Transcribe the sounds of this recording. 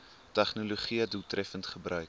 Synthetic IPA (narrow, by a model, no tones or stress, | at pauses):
tæχnoloχiədutrɛfəntχəbrœɥk